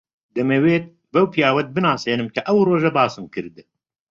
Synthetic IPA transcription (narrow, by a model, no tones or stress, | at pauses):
d̪ɐmeːweːt̪̚ | bɐwpʰijaːwɐt̪̚bɨnaːseːnɨmkʰɐʔɐwroːʒɐbaːsɨmkʰɨɾd̪ɨ